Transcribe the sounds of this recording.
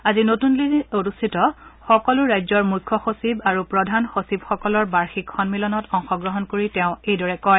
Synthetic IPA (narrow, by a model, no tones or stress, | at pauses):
azinotunlionusʰitɔxɔkɔlʊɹajzɔɹmujkʰːɔxosibaɹupɹɔdʱanxosibxɔkɔlɔɹbaɹxikxɔnmilɔnɔtɔŋxɔɡɹɔɦɔnkoɹitɛʊ̃ejdɔɹɛkɔɹɛ